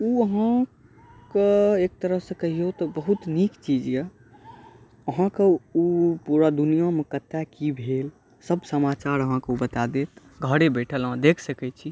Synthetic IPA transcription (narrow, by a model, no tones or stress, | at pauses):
uəɦã | keek̚t̪əɾəɦsẽkəɦijot̪ɔbəɦut̪nikt͡ʃid͡ʒja | əɦãkeupuɾad̪unijamekət̪ːakibʱel | səbsəmat͡ʃaɾəɦãkeubət̪ad̪et̪ | ɡʱəɽebɛʈʰəlãd̪ekʰsəkɛt͡ʃʰi